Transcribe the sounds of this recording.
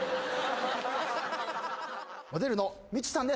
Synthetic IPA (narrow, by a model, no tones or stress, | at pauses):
mod̪e̞ɾɯ̟no | mʲit͡ɕːi̥sãnd̪e